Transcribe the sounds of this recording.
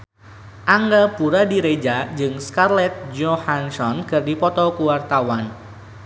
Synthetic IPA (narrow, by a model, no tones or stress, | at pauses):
ʔaŋɡapuɾadiɾed͡ʒad͡ʒɨŋskarlɛt̪̚d͡ʒɔhansɔnkɨrdipɔt̪ɔkuwart̪awan